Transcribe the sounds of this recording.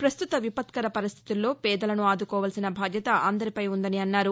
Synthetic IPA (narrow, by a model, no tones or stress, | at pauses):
pɾɐst̪ut̪ɐʋipɐt̪kɐɾɐpɐɾist̪ʰi̥t̪ulːo̞ːpɛːd̪ɐlɐnuaːd̪ukɔːʋaːlsinɐbʱaːd̪ʱjɐt̪ɐʔɐnd̪ɐɾipɐjund̪ɐniɐnːaːɾu